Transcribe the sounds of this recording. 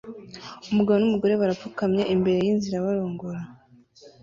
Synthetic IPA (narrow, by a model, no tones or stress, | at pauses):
umuɡaβonumuɡo̞ɾe̞βaɾafukamɲeʔimbe̞ɾe̞jinziɾaβaɾoːŋɡoɾa